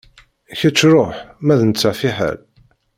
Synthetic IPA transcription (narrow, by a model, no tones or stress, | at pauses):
çət͡sːɾˤoħmæðənət͡sːaʕfiħə̰l